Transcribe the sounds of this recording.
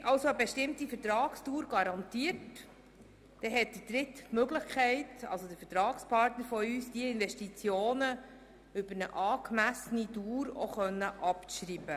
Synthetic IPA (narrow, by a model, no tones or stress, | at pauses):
ʔɑlsoəbeʃtɪmtifəɾtɾɑːkstuːɾɡ̥ɑɾɑnt̪iət | d̥ɛɦɛt̚d̥̪id̥ɾɪtmøɡləχkʰɛɪtɑ̰lsod̥̪əɾfətɾɑːkspʰɑɾtnəɾfɔyːsd̥iəɪnʋɛʃtit͡sjoːnə | ʏbəɾnə̰ʔɑːkmæsəniduːɾo̰χœnːəʔɑpʃɾiːb̥ə